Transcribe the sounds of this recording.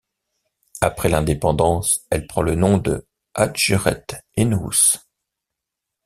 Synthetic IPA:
apχɛlɛ̃d̪epɑ̃d̪ɑ̃sɛlpχɑ̃lənɔ̃d̪ə | ad̪ʒyʁɛ̰t̪enṵs

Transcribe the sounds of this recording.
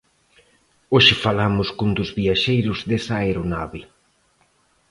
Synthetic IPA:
oʃɪfalamʊskund̪ʊzβiaʃejɾʊzðesaeɾonaβɪ

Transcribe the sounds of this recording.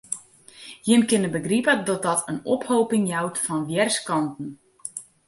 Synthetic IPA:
jɪnkɪnəbəɡripədɔt̚dɔtʰənɔphowpɪŋjawtfɔnʋjɛrskɑntn̩

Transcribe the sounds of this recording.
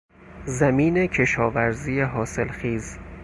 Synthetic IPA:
zæmiːne̞cʰe̞ʃɒːvæɾziːjeɦɒːse̞lxiːz

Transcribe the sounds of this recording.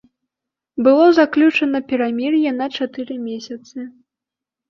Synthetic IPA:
bɨlˠɔzaklʲut͡ʂɐnɐpʲɛɾamʲirjɐnɐt͡ʂat̪ɨɾɨmʲesʲɐt̪sɨ

